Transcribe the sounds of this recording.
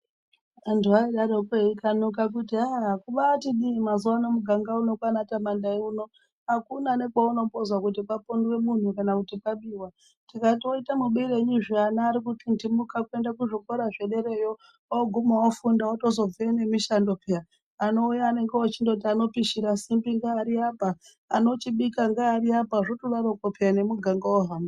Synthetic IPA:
antuaiɗaɾokeikanukak̬utiakuʋaːtiɗimazuwanomuɡʱaŋɡauno̞kwanatamandaiuno̞ | akunane̞kaonombozwakut̬ipapondwe̞mun̤ukanakutipaɓiwa | tikato̞itamuɓiɾeɲuʐianaːɾikutindimukakue̞ndakuʐoko̞ɾaʐe̞ɗe̞ɾe̞jo | aɡʱumawofundawoto̞zo̞b͡veene̞miʃando̞pʰeja | ano̞ujaːne̞ŋɡeot͡ʃindout̬iano̞piʃiɾasimbiŋɡaːɾiapaː | no̞t͡ʃiɓikaŋɡaːɾiapaʐotolaɾokopejane̞muɡʱaŋɡawoɦama

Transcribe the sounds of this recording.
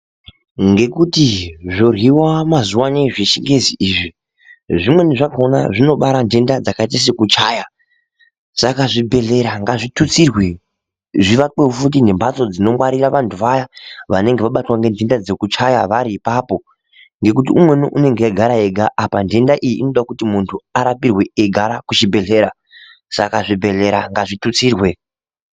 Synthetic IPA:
ŋɡe̞kutiʐorwiwamazuwaneʐiʃiŋɡeziiːʐi | ʐimwe̞neʐakaona̰ʐino̞ɓaɾande̞ndad͡zakaitas̬ekut͡ʃaːja | sakaʐibʱe̞le̞ɾaŋɡaʐitut͡sirwe | ʐiʋak͡peufut̬ine̞mbat͡so̞d͡zino̞mwaɾiraʋantʰuʋajaʋa̰ne̞ŋɡeʋaɓatwaŋɡe̞ndendad͡ze̞kut͡ʃajaʋaɾiːpaːpo̞ | ŋɡe̞k̬ut̬iumwe̞nuʔune̞ŋɡejaɡʱaɾaeɡʱaʔːpande̞ndaʔijiʔḭno̞ɗakutimuntʰuaɾapirwe̞eɡʱaɾakut͡ʃibʱe̞ɮe̞ːɾa | sa̰kaʐibʱe̞ɮe̞ɾaŋɡaʐitut͡siːrwe̞

